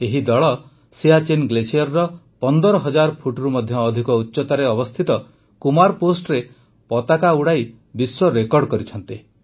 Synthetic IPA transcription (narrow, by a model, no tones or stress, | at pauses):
eɦid̪ɔɭɔ | seat͡ʃenɡlesiɔɾːɔ | pɔnd̪ɔɾɔɦɔd͡ʒaɾpʰuʈɾumɔd̪ʱjɔːd̪ʱikɔutːʃɔt̪aɾeɔbɔst̪ʰit̪ɔ | kumaɾposʈɔɾe | pɔt̪akauɽaj | biswɔɾekɔɾɖkɔɾit͡ʃʰɔnt̪i